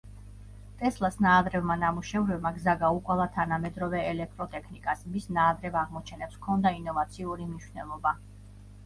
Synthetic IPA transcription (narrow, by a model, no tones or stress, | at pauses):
t̪ʼɛslˠasnaːd̪ɾɛvmanamuʃɛvɾɛbmaɡzaɡaukʼwalˠat̪ʰanamɛd̪ɾɔvɛɛlɛk̚t̪ʼɾɔt̪ʼɛkʰnikʼasmisnaːd̪ɾɛvaʁmɔt͡ʃʰɛnɛpskʰɔnd̪ainɔvat̪sʰiuɾimniʃwnɛ̰lˠɔba